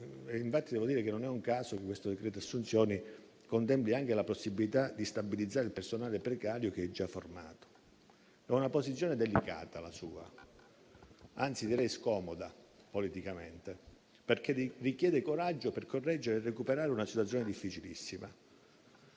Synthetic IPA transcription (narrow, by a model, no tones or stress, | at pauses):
iɱfat̪ːid̪ɛːvod̪iːɾekenːonɛuŋkaːsokekːwest̪od̪ekɾɛːt̪oasːunt̪sjɔːni | kont̪̬ɛmpliaŋk̟elaposːibilit̪ad̪ist̪abilid̪zaːɾeilpersonaːlepɾekaːɾjok̟eɛd͡ʒːafːorma̰ːt̪o̥ | ɛunaposit̪sjɔːned̪elika̰ːt̪alasuːa̰ | ant̪sid̪iɾɛjskɔːmod̪a | polit̪ikament̪e | perk̟erikjɛːd̪ekoɾad͡ʒːoperkʰorːɛd͡ʒːeɾeːrːekupeɾaːɾeunasit̪wat̪sːjoːned̪ifːit͡ʃilḭsːima̰